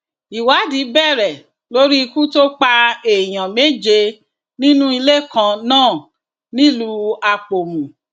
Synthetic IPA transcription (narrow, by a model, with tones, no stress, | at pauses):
i˨wa˨˦di˨˦bɛ˦˨ɾɛ˨ | lo˦ɾi˦i˧kũ˦to˦k͡pa˧e˨j̃ã˨me˦d͡ʒe˧ | nĩ˦nũ˦i˧le˦˨kã˧nãː˦˨ | nĩ˦lu˧˦a˧k͡po˨mũ˨